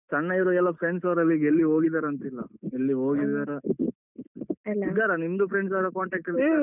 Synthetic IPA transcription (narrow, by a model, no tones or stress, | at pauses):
t͡ʃɐɳːɐiɾoɛlːɐpʰɾeɳɖsɐʋɾɐlːiɡelːiɦoːɡid̪aːɾɐnt̪ilːɐ̰elːiɦoːɡid̪aːɾe | lːɡaːɾɐnimd̪upʰɾeɳɖs̬ɐɾɐkaːɳʈeːk̚ʈiɽ